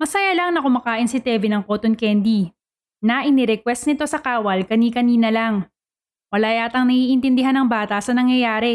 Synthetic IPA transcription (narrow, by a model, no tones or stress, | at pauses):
mɐsɐjalaŋnɐkʊmɐkaːʔɪnsɪt̪ɛvɪnɐŋkoːt̪onkɛnd̪i | nɐʔɪnɪɾɛkwɛst̪̚nɪt̪o̞sɐkaːwɐlkɐnikɐniːnɐlaŋ | wɐlaːjʔaːt̪ɐŋnɐhiːʔɪnt̪ɪnd̪ɪɦanɐŋbaːt̪ɐsɐnɐŋjɐjaːɾɛ